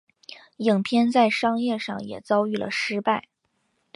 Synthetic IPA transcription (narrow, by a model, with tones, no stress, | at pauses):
ji˨˩ŋpʰjɛ˥nt͡sa˥˩ɪʂɑ˥ŋjɛ˥˧ʂɑ̰˥˩ŋjɛ̰˨˩t͡sɑ˥ʊy˥˩lə̰˩ʂɻ̩˥pa˥˩ɪ